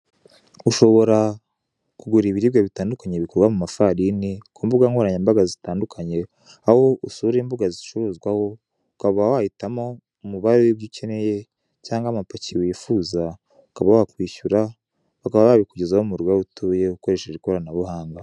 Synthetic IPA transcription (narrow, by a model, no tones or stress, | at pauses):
uʃo̞βo̞ɾa | kuɡuɾiːβiɾibjaβitaːndukaɲeβikoɾɡwamumafaɾinikuːmbuɡaŋhoɾaɲambaɡazitaːndukʰaɲe̞ | ahoʔusuɾembuɡaziʃoβozɡwaho̞ | ukaβawahitamo̞ | muβaɾojubice̞ne̞je | caːŋɡamapaciwiːfuːza | ukaβawakwiːçuɾa | βakaβaβaːβikuɟezahomuɾɡwautuːjeuko̞ɾe̞ʃeɾiko̞ɾanaβuhaːŋɡa